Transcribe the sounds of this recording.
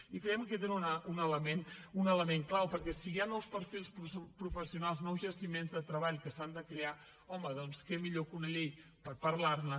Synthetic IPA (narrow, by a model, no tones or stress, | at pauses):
ikɾeɛmket̪enunəunələmenunələmeŋklawpəɾkɛsiɣanɔwspəɾfilˠsppɾufəsiunalˠznɔwzʒəɾsimenzðət̪ɾəβaʎkəsand̪əkɾea | ɔməðɔnskɛmiʎokunəʎej | pəɾpəɾlarnə